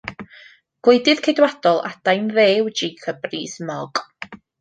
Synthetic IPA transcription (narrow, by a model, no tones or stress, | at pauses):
ɡ̥wejdɨð̥kʰedwad̥ɔlˠa̰d̥ajnðeːwd͡ʒekʰəbriːsmɔɡ̥